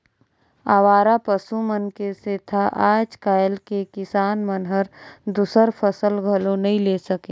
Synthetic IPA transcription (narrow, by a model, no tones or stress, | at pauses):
aʋaːɾapəsumənkeset̪ʰaʔaːd͡ʒkaːjəlkekɪsaːnmənɦəɾd̪usəɾpʰəsəlɡʱəlõnɐɦĩleːsəkẽː